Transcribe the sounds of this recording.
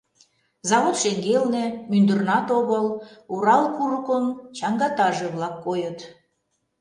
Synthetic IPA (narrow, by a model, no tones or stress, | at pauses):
zɑβot̪ʃeŋɡelnĕmynd̪ə̆rnɑt̪oɣɤluɾɑlkuɾəkont͡ɕɑŋɡɑt̪ɑʒeβlɑkːojɤt̪